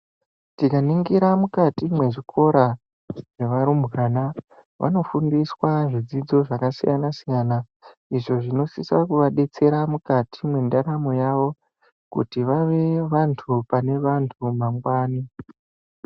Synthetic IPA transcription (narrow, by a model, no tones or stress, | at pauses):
tikaniŋɡiɾamukatimwe̞ʐikʰo̞ɾa | ʐeʋaɾumbɣaːna | ʋʔa̰no̞fundiswaʐid͡zid͡zo̞ʐakasḭjanasijana | iʐo̞ʐino̞sisakuʋaɗe̞t͡se̞ɾamukatʰimwe̞ndaɾamojaʋo̞ | kṵtiʋaʋe̞ʋantʰupane̞ʋantʰumaŋɡwaːni